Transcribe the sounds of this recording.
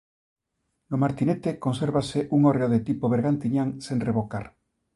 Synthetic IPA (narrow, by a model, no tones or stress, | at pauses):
lomaɾt̪inet̪eko̞nseɾβaseʔuŋoreoðet̪ipoβeɾɣant̪iɲaŋsenreβo̞kaɾ